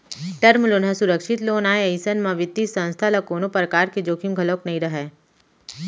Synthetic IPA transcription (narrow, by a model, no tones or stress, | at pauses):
ʈɐɾmloːnɦãsʊɾəkʃɪt̪loːnaːeɐisənmãʋɪt̪ːisə̃nst̪ʰalakoːnopɾəkaːɾked͡ʒoːkʰimɡʱɐloknɐɦĩɾɐɦeː